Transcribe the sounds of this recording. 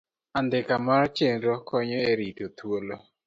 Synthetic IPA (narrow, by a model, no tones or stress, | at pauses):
and̪ɪkamaɾɔt͡ʃenɾokɔɲɔeɾitot̪wolo